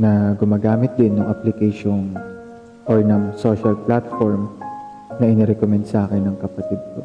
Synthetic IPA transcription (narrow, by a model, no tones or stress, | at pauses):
nɐɡʊmaːɡaːmɪt̪̚d̪ɪnːʊŋʔaplɪkɛjʃon | ʔoɹnɐŋsoʃɐlplat̪foɹm | nɐʔɪnɛɾɛkomɛnd̪saːkɛnːɐŋkɐpɐt̪id̪̚ko̰